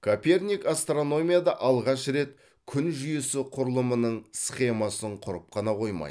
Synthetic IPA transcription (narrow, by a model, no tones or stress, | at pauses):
kʰopʲe̞rnʲikast̪ro̞no̞mʲijad̪ɑʔɑlˠʁɑʃɾe̞t̪ | kʲʰʏnʒʏjesɪqʰʊɾəlˠəmənəɴsχe̞mɑsəɴqʰʊɾəp̚qʰɑnɑqʰo̞jmɑ̰j